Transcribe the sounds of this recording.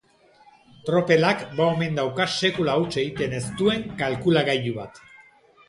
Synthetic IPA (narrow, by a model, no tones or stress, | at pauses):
t̪ɾo̞pe̞lakbaome̞nd̪awkase̞kulawt͡ʃe̞ɣit̪e̞ne̞st̪ue̞ŋkalkulaɣajuβat̪